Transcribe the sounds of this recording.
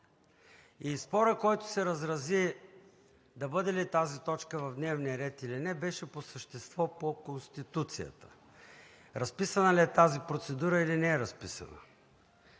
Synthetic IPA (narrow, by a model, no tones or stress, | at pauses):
ispɔɾəkɔjt̪ʊ̥sɛɾəzɾɐzi | d̪ɐbɤd̪ɛlit̪azit̪ɔt͡ʃkəvɐvd̪nɛvnijəɾɛt̪ilinɛbɛʃɛposəʃt̪ɛst̪vɔpokonst̪it̪ut̪sijə̰t̪ə̥ | ɾɐspisənɐliɛt̪azipɾot̪sɛd̪uɾəilinɛɛɾɐspisɐ̰nə̰